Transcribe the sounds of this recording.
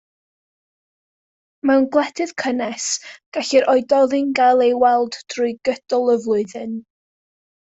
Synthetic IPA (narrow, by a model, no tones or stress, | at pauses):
mɛwnɡlˠɛtʰɨð̥kʰənɛsɡ̥aɬiɾʔɔɨdɔðɨnɡalˠejwɛlˠdd̥rʊɨɡəd̥ɔlˠəvlˠʊɨðɨn